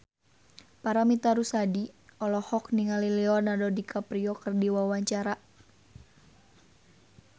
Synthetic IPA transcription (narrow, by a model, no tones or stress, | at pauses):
paɾamit̪aɾusadiɔlɔhɔk̚niŋalilɛɔnadɔdikʰapɾiɔkərdiwawaɲt͡ʃaɾa